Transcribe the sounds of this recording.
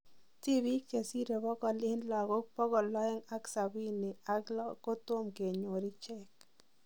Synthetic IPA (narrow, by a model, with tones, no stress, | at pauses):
ti˦βi˦ke˨si˦ɾe˨bɔ˦kɔ˨lɪ˦nla˨ɣo˦k̚pɔ˦kɔ˨lɔ˦ɛ˦ŋa˦ksa˨bi˦ni˨a˦klɔ˦ko˦to˦mke˨ɲo˨ɾi˦t͡ʃɛ˦k